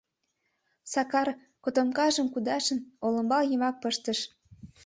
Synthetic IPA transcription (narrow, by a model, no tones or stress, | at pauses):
sɑkɑr | kot̪ŏmkɑʒə̆mkud̪ɑʃə̆nolə̆mbɑljəmɑk̚pəʃt̪ə̆ʃ